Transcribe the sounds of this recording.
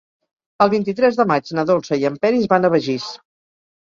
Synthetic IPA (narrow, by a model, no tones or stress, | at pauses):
əlˠβint̪̬it̪ɾɛzðəmad͡ʒnəðolˠsəiəmpɛɾizβanəβ̞əʒis